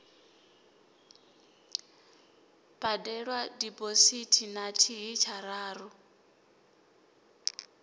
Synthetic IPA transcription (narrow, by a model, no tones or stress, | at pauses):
b̥adɛɺwadipositʰinatʰiɦit͡ʃʰaɾaːrɔ